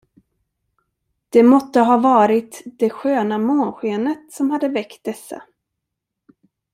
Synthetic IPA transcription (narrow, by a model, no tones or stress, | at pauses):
d̪̥ɛmɔt̪ːəɦɑːvɑːɾɪt̪d̪ɛɧøːnamoːnɧeːnət̪sɔmhad̪ːəvɛkt̪̚d̪ɛsːa̰